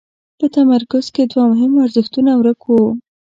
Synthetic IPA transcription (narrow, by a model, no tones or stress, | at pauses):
pət̪amaɾkʊz̥ked̪wamʊɦɪmaɾzəxt̪unawɾəkwu